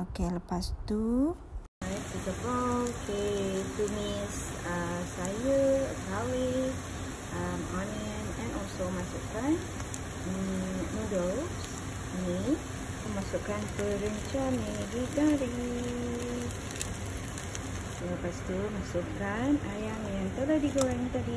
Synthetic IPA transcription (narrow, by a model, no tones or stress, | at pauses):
okeləpast̪u | ajaʔsitəfɔkʰet̪unisəsajəəkawi | ʔəmɔnɛ | mɛ̃nɔlsomasukan | nudɔls | ni | kumasukanpəɾəmit͡ʃanid͡ʒit̪aɾi | apast̪umasukanajaŋjaŋt̪əladiɡoanit̪adi